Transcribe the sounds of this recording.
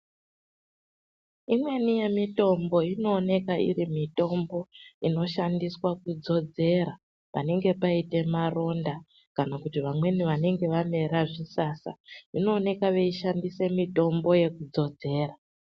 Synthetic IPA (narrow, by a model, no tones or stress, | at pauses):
imwe̞nije̞mito̞mbo̞ino̞ːne̞kaʔḭɾimito̞mbo̞ino̞ʃandiswakud͡zo̞d͡ze̞ɾa | pane̞ŋɡe̞paite̞maro̞nda | kanakutiʋamwe̞niʋane̞ŋɡe̞ʋame̞ɾaʐisaːsa̰ino̞ːne̞kaʋe̞iʃandise̞mito̞mbo̞je̞kud͡zo̞d͡ze̞ːra